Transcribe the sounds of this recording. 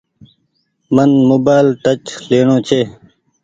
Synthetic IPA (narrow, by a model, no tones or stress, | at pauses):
mənmoːbaːlʈɐt͡ɕleːɳõːt͡ɕʰe